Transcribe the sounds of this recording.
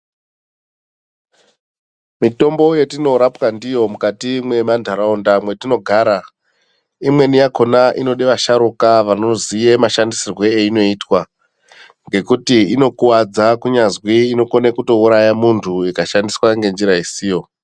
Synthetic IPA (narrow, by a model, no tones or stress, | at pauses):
mito̞mbo̞je̞tino̞ɾapwandijo̞mukatimwe̞mandʱaɾaundamwe̞tino̞ɡʱaːɾa | imwe̞nijako̞naʔino̞ɗeʋaʃaɾukaʋano̞zije̞maʃandisirwe̞eino̞iːtwa | ŋɡe̞kutiino̞kuwad͡zakuɲazwiːno̞konekuto̞uɾajamuntʰuikaʃandiswaŋɡe̞nd͡ʒiɾaisiːjo̞